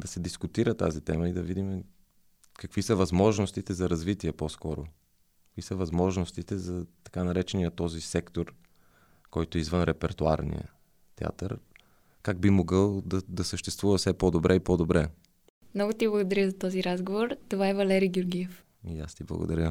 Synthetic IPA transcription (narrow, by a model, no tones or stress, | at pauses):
d̪ɐsɛd̪iskʊt̪iɾət̪a̰zit̪ɛməid̪ɐvid̪imɛ | kɐkvisəvɐzmɔʒnost̪it̪ɛzɐɾɐzvit̪iɛpɔskɔɾo̰ | kkvisəvɐzmɔʒnost̪it̪ɛzɐt̪ɐ̥kanɐɾɛt͡ʃɛnijət̪ɔzisɛkt̪oɾ | kɔjt̪oizvənɾɛpɛɾt̪ua̰ɾnḭjə̰ | t̪ɛa̰t̪əɾ | kaɡ̚bimoɡəlˠd̪ɐd̪ɐsəʃt̪ɛst̪vuvɐfsɛpod̪obɾʔɛipɔd̪obɾɛ | mnɔɡot̪iblˠɐɡod̪ɐɾʲəzɐt̪ɔziɾazɡovoɾt̪ovaɛvɐlɛɾiɡʲʊɾɡʲiɛf | ija̰st̪iblˠɐ̰ɡo̰d̪ɐɾʲə